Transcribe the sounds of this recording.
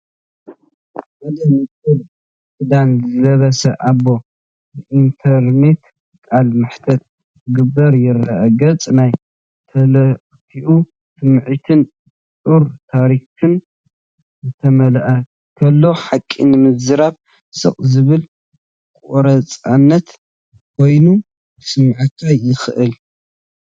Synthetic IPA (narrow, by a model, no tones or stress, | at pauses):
mɐd̪ɐmɨtʼɨl | sɨd̪anzɨlɐβɐsɐʔaβo̞ | bɨʔint̪ʰɐɾne̞t̪ | kʼalmɨħt̪ʰɐt̪̚ | ɡɨbːɐɾjɪrːɐʔɡɐt͡sʼnaj | t̪ʰɐlɐ | tʰiʔu | sɨmʕit̪ʰɨn | tʼuɾt̪ʰaɾikʰɨn | zɨt̪ʰɐmɐlɐʔɐ | kʰɐlːo̞ħakʼːḭnɨmɨzɨɾaβ | sɨ̰χʼzɨβɨl | kʼoɾɐt͡sʼanːɐt̪ | kʰo̞jnu | sɨmʕat̪ʰajɪxɨʔɨl